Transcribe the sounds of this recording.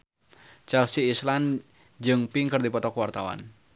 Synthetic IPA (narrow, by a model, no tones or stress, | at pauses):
t͡ʃɛlsiːslan | d͡ʒɨŋpiŋkɨrd̪ipɔt̪ɔkwart̪awa̰n